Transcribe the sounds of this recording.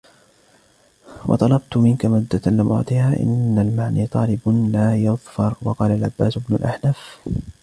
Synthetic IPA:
wʔɑ̰t̪ˤɑlɑbt̪ʊmɪnkamʊd̪ːalɪmʔʊ̰ʕt̪ˤɪhaːʔɪ̰nːalmaʕniːt̪ˤɑːlɪblaːjɑðˤfɑɾˤwɑqɑːlalʕabːaːsʊbnʊlʔaħnaf

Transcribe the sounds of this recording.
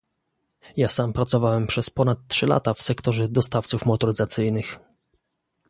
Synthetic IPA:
jasampɾat̪sɔvawɛmpʂɛspɔnat̪ːʂɘla̰t̪afsɛkt̪ɔʐɛd̪ɔst̪aft̪sufmɔt̪ɔɾɘzat̪sɘjnɘx

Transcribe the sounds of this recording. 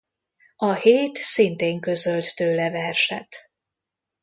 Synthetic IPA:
ɒheːt̪sint̪eːŋkø̞zø̞lt̪ːøːlɛvɛrʃɛt̪

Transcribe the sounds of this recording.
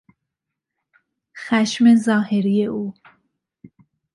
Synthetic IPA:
xæʃmezɒːheɾijeuː

